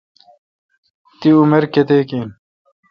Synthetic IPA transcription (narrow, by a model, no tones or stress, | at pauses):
t̪iumeɾket̪eːkiːn